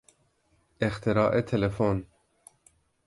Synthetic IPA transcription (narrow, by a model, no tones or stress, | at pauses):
ext̪ʰeɾɑːʔet̪ʰelefon